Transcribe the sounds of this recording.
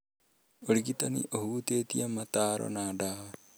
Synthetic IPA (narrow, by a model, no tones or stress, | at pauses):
oɾiɣitanḭʔohuːtetiamataːɾɔ̰nada